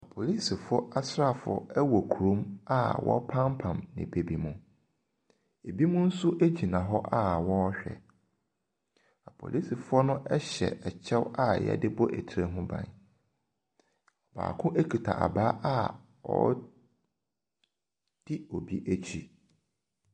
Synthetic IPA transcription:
a˨pʰo˨li˦si˨fʊ˦ɔ˦ʔa˦sɾa˦˨fʊ˨ɔ̰˦ɛ˦wɔ˨kʰu˨ɾũ˦ma˦wʔɔ̰˦pʰã˦mpʰã˨mnɪ̰̃˨be˨bi˨mũ˨ | e˨bi˦mũ˦n̩˦sʊ˦ʔæ˦d͡ʑi˨nã˨ɦɔ˦ʔa˦wɔ̃˦ɕᶣɛ̰˨ | a˨pʰo̰˨lʔi˦si˨fʊ˦ɔ˦nʊ̃˦ʔɛ˦ɕɛ̰˨ɛ˨t͡ɕʰɛ˦wa˦jɛ̰˦dɪ˦bɔ˦ʔtʰɾe˦ɦʊ̃˦bã̰˨n | ɔ˨b̥a̰ː˨kʰʊ̃˦ʔe˦kʰi˨tʰa̰˨ʔa̰˨baː˦ʔa˦ | ɔ̰˦ | d̥i˦o˨bi˦ʔæ˦t͡ɕʰi˨

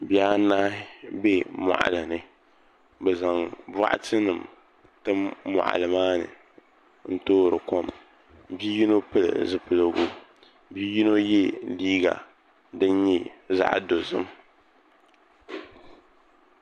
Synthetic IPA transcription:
bja˦naː˦be˦mɔ̰˨ʔa̰˨la˨nɨ˨ | bɛ˨za˨ŋba̰˦ʔa̰˦tɨ˦nɨ˨m | tɨ˦mːɔ̰˨ʔa̰˨lɨ˨maː˦nɨ̰˨ | n̩˦toː˦ɾɨ˨ko˦m | bi˦ji˦no˦pɨ˦lɨ̰˨zɨ˦pɨ˨lɨ˨ɡu˦ | bi˦ji˦no˦jɛ˦liː˦ɡa̰˨ | dɨ˦nɲɛ˦za̰˦ʔdo˨zɨ˦m

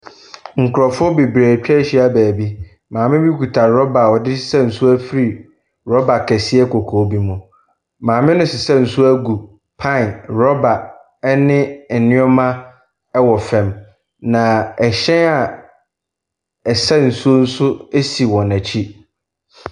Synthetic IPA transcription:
ŋ̩˨kʰʊ˨ɾɔ˨fʊ˦ɔ˦be˨bɾe˨t͡ɕᶣɛ˦ɕi˦a˦bæː˨bi˦ | mãː˨mɪ̃˦bi˦kʰu˨tʰa˨ɾɔ˦ba˨wɔ˨dɪ˦sɪ̥˦sɛ˦n̩˨sʊ˦æ˦fi˦ɾi˨ | ɾɔ˦ba˨kʰɛ˨sɪ˦ɛ˦kʰɔ˨kʰoː˨˦bi˦mũ˨ | mãː˨mɪ̃˦nʊ̃˦sɪ˨sɛ˦n̩˨sʊ˦æ˦ɡu˨ | pʰã˦˨nɾɔ˦ba˨˦ | nɪ̃˦ɛ˨nɪ̃˦ɔ˦mã˦ | ɛ˦wɔ˨fɛ̃˨m | nã˨ɛ˨ɕɛ̃˦a˨ | ɛ˨sɛ˦n̩˨su˦o˦n̩˦sʊ˦e˦si˨wɔ̃˨næ˨t͡ɕʰi˦

